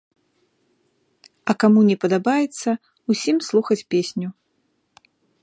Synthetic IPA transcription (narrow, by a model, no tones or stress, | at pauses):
ɐkamunʲɛpɐd̪abajɛt̪sːɐ | usʲimslˠuxɐt͡sʲpʲesʲnʲu